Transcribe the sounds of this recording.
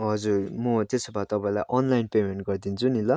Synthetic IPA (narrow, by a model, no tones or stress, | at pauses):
ɦʌd͡zurmʌt̪esobat̪ʌpãĩlajʔʌnlajnpemeɳʈɡʌrd̪int͡sʰunilʌ